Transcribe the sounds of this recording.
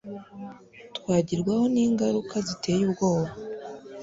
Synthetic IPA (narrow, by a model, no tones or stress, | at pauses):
twaːɟiɾɡwaho̞niːŋɡaɾukʰazite̞ːjubɡo̞ːβa